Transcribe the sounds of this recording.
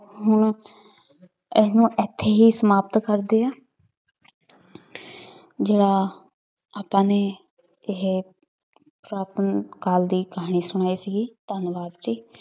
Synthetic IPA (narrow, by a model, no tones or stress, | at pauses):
ɦʊɳ | ɪsnũːʔɛːt̪ʰːeːɦiːsəmaːpt̪kəɾd̪eːaː | d͡ʒeːɽaː | aːpãːneː | ɪɦ | pɾaːt̪ənkaːld̪iːkəɦaːɳ̃iːsʊɽ̃aːiːsiːɡiːt̪ənʋaːd̪t͡ʃiː